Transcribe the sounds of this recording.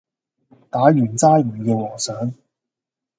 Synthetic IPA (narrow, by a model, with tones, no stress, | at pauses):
t̪aː˨˥ɥyː˨˩nt͡saː˥jmyː˨˧kɛː˧wɔː˨˩ŋsœː˨˥ŋ